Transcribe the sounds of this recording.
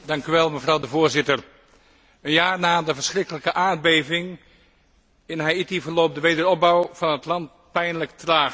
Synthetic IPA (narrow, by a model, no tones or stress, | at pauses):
dɑŋkyʋɛlˠməvrɑwdəvʊːɹzɪtəɹ | ənjaːɹnaːdəvəɹsχrɪkələkəʔaːɹd̚bejvɪŋ | ɪnɦajitivəɹloːp̚dəʋejdəɾɔb̚bɑwvɑnɦətlɑnt | pɛjnləktraːχ